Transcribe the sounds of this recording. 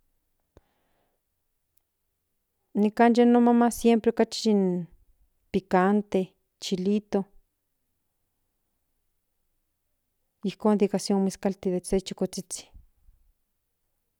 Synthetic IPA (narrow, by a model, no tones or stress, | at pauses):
nikanjanomamasjempɾeokat͡ʃin | pikant̪e | t͡ʃilit̪o | ihkoːnd̪ikasjonmiskalt̪iðeset͡ʃikot͡sit͡si̥